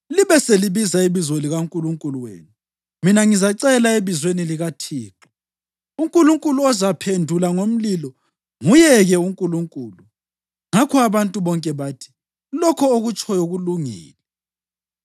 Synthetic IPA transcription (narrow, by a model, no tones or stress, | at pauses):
liβɛseliβizaiβizoliɣaŋkʼuluŋkʼuluwḛːnu | minaŋizaǀɛlaeβizweniliɣatʰiːǁɔ̥ | uŋkʼuluŋkʼuluɔzapʰendʱulaŋom̩lilɔ | ŋujɛɣɛuŋkʼuluŋkʼuːlu | ŋakʰɔaβantʼuβɔŋkʼɛβaːtʰi̥ | lɔkʰɔoɣut͡ʃʼɔjoɣuluŋḭːlɛ